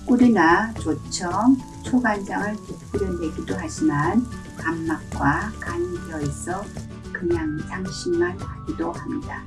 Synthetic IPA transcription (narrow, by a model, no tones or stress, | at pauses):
uɾinat͡ɕot͡ɕʰʌŋ | t͡ɕʰoɡansaŋɯɭkok̚t͈ɯɾɯndeɡidoɦad͡ʑiman | amːak̚k͈wakaɲiɡjʌesʰʌ | kɯɲaŋt͡ɕaŋɕʰimanhaɡidohamɲid̥a